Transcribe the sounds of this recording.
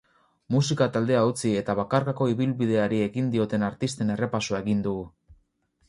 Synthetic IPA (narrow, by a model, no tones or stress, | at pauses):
mus̬ikat̪ald̪e̞aut͡sie̞t̪aβakaɾkako̞iβilβið̞e̞aɾie̞ɣind̪io̞t̪e̞naɾt̪ist̪e̞ne̞re̞pasoaeɣind̪uɣu